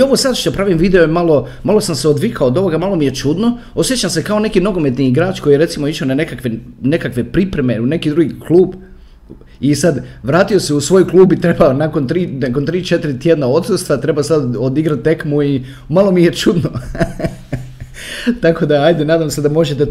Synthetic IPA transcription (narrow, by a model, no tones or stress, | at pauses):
o̞ʋosad̪ʃt̪opɾaːʋimʋiːd̪eo̞malˠo̞ | malo̞samseod̪ʋikʰaod̪o̞ʋo̞ɡamalˠo̞mije̞t͡ʃud̪no̞ | o̞sjet͡ɕamse̞kaone̞kino̞ɡo̞me̞t̪niiɡɾaːt͡ʃko̞jijeɾe̞t̪simo̞iʃonane̞kakʋene̞kakʋe̞pɾipɾe̞me̞une̞kid̪ɾuɡiklˠuːb | isad̪ʋɾaːt̪io̞seusʋo̞jklˠuːbit̪ɾe̞banako̞nt̪ɾiːnako̞nt̪ɾiːt͡ʃe̞t̪iɾit̪jed̪nao̞t̪sust̪ʋat̪ɾe̞basad̪od̪iɡɾat̪̚ːe̞kmui | malˠo̞mijet͡ʃud̪no | t̪ako̞d̪aajd̪enaːd̪amsed̪amo̞ʒet̪e